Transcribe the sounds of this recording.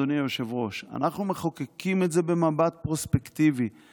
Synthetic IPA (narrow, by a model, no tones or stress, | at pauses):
onijoʃe̞vʁo̞ʃa̰naχnumeχokekime̞tze̞be̞mabat̪̚pʁospekt̪ivi